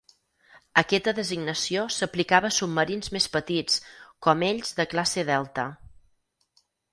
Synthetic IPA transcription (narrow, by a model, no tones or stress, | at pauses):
əkɛt̪əðəziɡnəsijosəplikaβəːsub̚məɾinzmespət̪it͡skɔmeʎzðəklaseðɛlˠt̪ə̰